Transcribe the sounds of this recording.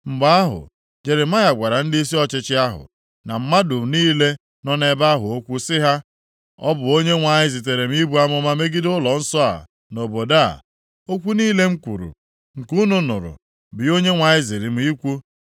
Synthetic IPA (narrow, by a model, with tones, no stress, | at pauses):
m̩˨ɡ͡ba˦a˦ɦʊ̰˨ | d͡ʒe˨ɾɪ˨ma˦ja˨ɡʷa˨ɾa˨n̩˦di˦s̬i˦ɔ˦t͡ʃɪ˦t͡ʃɪ˦a˦ɦʊ̰˨ | na˨m̩˦ma˦dʊ˨m̩˨niː˦le˦ | nɔ˦ne˨ba˦a˦ɦʊ˨o˦kʷu˦sɪ˦ɦa˦ | ɔ̰˦bʊ˨o˦ɲe˦ŋʷa˨ɲɪ˦zɪ˨t̬e˨ɾe˨m̩˦i˦bu˦a˦mʊ˦ma˦me˦ɡɪ˦dʊ˦lɔ˨n̩˦sɔ˦a̰˨ | no˨bo˨da̰˦˨ | o˦kʷu˦niː˦le˦ŋ̩˦kʷṵ˨ɾṵ˨ | ŋ̩˨ku˦nʊ˨nʊ̰˨ɾʊ̰˨ | bɪ˨o˦ɲe˦ŋʷa˨ɲɪ˦zɪ˨ɾɪ˨m̩˦i˦kʷu˦